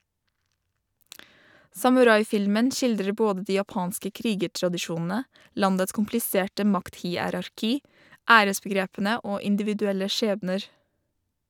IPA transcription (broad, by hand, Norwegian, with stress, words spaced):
sɑmʉˈɾɑɪˌfɪlmən ˈʃɪldɾə ˈboːdə ˈdiː jɑˈpɑːnskə ˈkɾiːɡəʈɾɑdɪˌʃuːnn̩ə ˈlɑndəts kʊmplɪˈseːʈə ˈmɑktˌhiːˌæɾɑɾˌkiː ˈæːɾəsbəˌɡɾeːpn̩ə ˈoː ɪndɪʋɪdʉˈɛlə ˈʃeːbnəɾ